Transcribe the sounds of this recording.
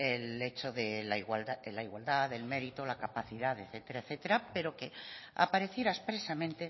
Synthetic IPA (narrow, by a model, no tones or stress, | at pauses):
ele̞t͡ʃoðelaiɣwald̪alaiɣwald̪aðe̞lme̞ɾit̪olakapaθiðaðeθet̪eɾaeθet̪eɾape̞ɾo̞ke̞a̰paɾe̞θjeɾaespɾe̞samẽnt̪e̞